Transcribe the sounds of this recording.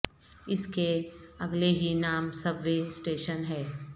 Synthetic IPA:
ɪskeɐɡleɦinaːmsɐbʋesʈeːʃənɦɛː

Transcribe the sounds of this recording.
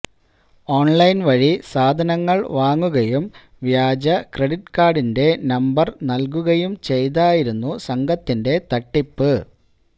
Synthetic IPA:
o̞ːɳlɐjnʋɐɻisaːd̪ʱɐnɐŋːɐɭʋaːŋːuɣɐjum | ʋjaːd͡ʑɐkreɽiʈːkaːɖinde̞nɐmbɐrnɐlk̬uɣɐjumt͡ɕe̞jt̪̬aːjiɾunːusɐŋɡʱɐt̪ːinde̞t̪ɐʈːipːɨ

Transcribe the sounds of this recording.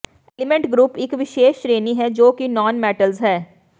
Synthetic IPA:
eːlɪmẽɳʈɡɾuːpɪkʋɪʃeːʃɾeːniɦɛd͡ʒoːkinɔːnmɛːʈəlzɦɛː

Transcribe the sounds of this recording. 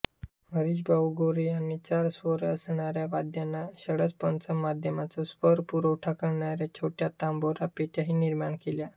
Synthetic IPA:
ʋəɾiɕbauɡoɾiañit͡ɕaɾsʋəɾəsɳaɾjaʋad̪ʱjanːaɕəɽət͡spənt͡səmmːad̪ʱjəmat͡sɔsfəɾpuɾəwʈʰakəɽɳaɾjat͡ɕʰoʈjat̪amboɾapeʈjaɦiːniɾmaɳkelja

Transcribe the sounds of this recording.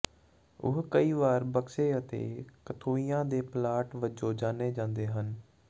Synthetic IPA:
ʊ̰ɦkəiːʋaːɾbəkseːət̪ḛːkət̪ʰoːijãːd̪eːplaːʈʋəd͡ʒoːd͡ʒaːneːd͡ʒãːnd̪eːɦən

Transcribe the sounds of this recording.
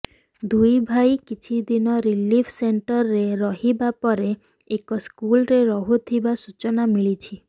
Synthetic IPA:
d̪ujbʱajkit͡ʃʰid̪inɔɾilipʰseɳʈɔɾːeɾɔɦibapɔɾe | ekɔskulɾeɾɔɦut̪ʰibasut͡ʃɔnamiɭit͡ʃʰi

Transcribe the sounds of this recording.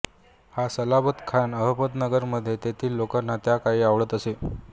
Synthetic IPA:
hasəlabət̪kʰanəɦəpət̪nəɡəɾməd̪ʱːjet̪et̪ʰiːlːokanːat̪jakaɦiːaʋɭət̪əse

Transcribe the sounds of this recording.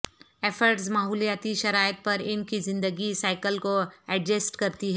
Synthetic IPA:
eːfʰəɾʈsmaːɦuːlijaːt̪iʃɐɾaːjət̪̚pɐɾɪnkizɪ̃nd̪əɡisaːɪkəlkoɛɖd͡ʒəsʈkɐɾt̪iɦɛː

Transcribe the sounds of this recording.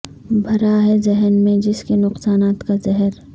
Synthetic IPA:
bʱɐɾaɦɛzɛɦɛnmẽd͡ʒɪskenʊqsaːnaːt̪kazɛɦɛɾ

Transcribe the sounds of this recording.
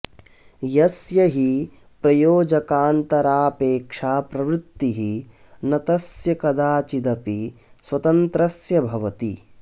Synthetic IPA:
jɐsjɐɦi | pɾɐjoːd͡ʒɐkaːnt̪ɐɾaːpeːkʂaːpɾɐʋɾɪt̪ːiɦi | nɐt̪ɐsjɐkɐd̪aːt͡ʃid̪ɐpiswɐt̪ɐnt̪ɾɐsjɐbʱɐʋɐt̪i

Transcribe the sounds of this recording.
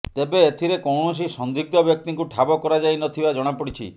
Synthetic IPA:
t̪ebeːt̪ʰiɾekɔwɳɔs̬isɔnd̪iɡ̚d̪ɔbjɔk̚t̪iŋkuʈʰabɔkɔɾad͡ʒajnɔt̪ʰibad͡ʒɔɽ̃apɔɽit͡ʃʰḭ

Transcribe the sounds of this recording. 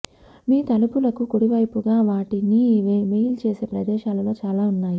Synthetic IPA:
miːt̪ɐlupulɐkukuɽiʋɐjpuɡaːʋaːʈiniʋmejlt͡ʃe̞ːse̞ːpɾɐd̪ɛːʃaːlɐlo̞ːt͡ʃaːlaːunːaːji

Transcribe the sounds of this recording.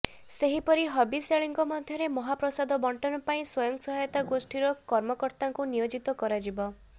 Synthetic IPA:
seɦipɔɾiɦɔbiseɭiŋkɔmɔd̪ʱjɔɾemɔɦapɾɔsad̪ɔbɔɳʈɔnɔpaĩswɔjɔŋksɔɦajɔt̪aɡosʈiɾɔkɔɾmɔkɔɾt̪aŋkunijod͡ʒit̪ɔkɔɾad͡ʒibɔ

